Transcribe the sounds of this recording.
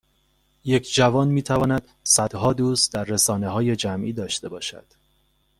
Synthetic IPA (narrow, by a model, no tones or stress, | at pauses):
je̞cʰd͡ʒævɒːnmiːt̪ʰævɒːnæd̪̥sæd̪̥hɒːd̪uːsd̪æɾːesɒːne̞ɦɒːje̞d͡ʒæmʔiːd̪ɒːʃt̪e̞bɒːʃæ̰d̪̥